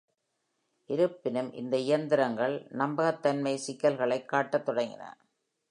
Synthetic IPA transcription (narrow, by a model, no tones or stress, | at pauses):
ʔɪɾɯpːɪnɯmʔɪ̰nd̪ɐɪjɐnd̪ɪɾɐŋɡɐɭnɐmbɐɣɐt̪ːɐnmɐɪsɪkːɐlɣɐɭɐɪkːaːʈːɐt̪ːɔɽɐŋɡɪ̰nɐ̰